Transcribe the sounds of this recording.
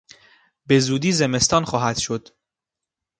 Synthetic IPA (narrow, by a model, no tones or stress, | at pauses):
be̞zuːd̪iːze̞me̞st̪ɒːnxɒːɦæd̪̥ʃod̪̥